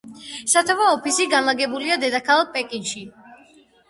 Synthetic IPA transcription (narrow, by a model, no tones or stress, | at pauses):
sat̪ʰavaɔpʰisiɡanlaɡɛbuliad̪ɛd̪akʰalˠapʼɛkʼinʃi